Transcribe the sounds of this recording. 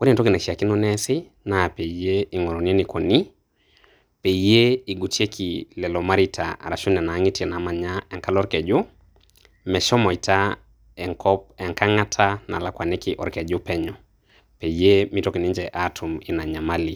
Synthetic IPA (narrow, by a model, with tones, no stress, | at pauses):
kɔ˦ni˦˨tɔ˦ki˨na˨ʃi˨a˨ki˦nɔ˦nɛ˦sɪ˦ | na˨pe˨je˦i˨ŋɔ˨ɾɔ˨ni˦e˦ni˨kɔ˨ni˦ | pe˨i˦je˦i˨ɡu˨ti˦e˦kʰi˨lɛ˨lɔ˨ma˦ɾi˦tʰa̰a̰˨ɾa˨ʃu˦nɛ˨na˨˦ŋi˦ti˦ɛ˨na˨ma˨ɲa˦ɛ˨ŋka˦lɔ˦ɾkɛ˨d͡ʒu˦ | mɛ˨ʃɔ˦mɔ˨i˨tʰa˦ | ɛ˨ŋkɔ˦p̚ɛ˨ŋka˦ŋa˦tʰa˦na̰˨la˨kwa˨nɛ˦ki˨ʔɔ˨ɾkɛ˨d͡ʒʊ˦pɛ˦ɲɔ˨ | pe˨ije˦mi˦tɔ˦ki˨ni˦ɲd͡ʒɛ˨ʔatʰu˨mi˨na˨ɲa˨ma˦li˨